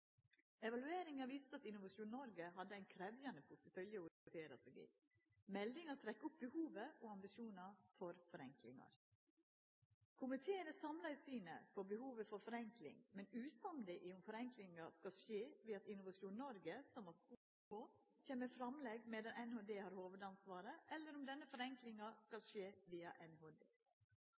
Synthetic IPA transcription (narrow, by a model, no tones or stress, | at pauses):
ɛʋɑlʉeːɾɪŋɑʋiːst̪əɑt̪ɪnʊʋɑʂuːnnɔɾɡəɦɑd̪ːəæɪnkʰɾɛʋjɑnəpʰʊt̪əfœljəʊɪt̪ʰeːɾɑsɛɡḭː | mɛld̪ɪŋɑt̪ʰɾɛkːʊp̚bəhuːʋəʔoːɑmbɪʃuːnɑfɔɾfɔɾɛŋklɪ̰ŋɑ̰ɾ | kʰʊmɪt̪ʰeːənəsɑmlɑɪsiːnə̰pʰɔbəhuːʋəfɔɾfɔɾɛŋklɪ̰ŋmɛnʉːsɑmlɪʔɪʊmfɔɾɛŋklɪŋɑskɑlʂeːʋiːɑt̪ɪnʊʋɑʂjuːnnɔɾɡəsɔmɑsku | oː | çeːməfɾɑmlɛɡmɛːd̪ɑnʔɛnhoːd̪eːhɑːɾhoːʋəd̪ɑnsʋɑːɾəʔɛlːəɾʊmd̪ɛnːəfɔɾɛŋklɪŋɑskɑlʂeːʋiːɑʔɛnhoːd̪ḛː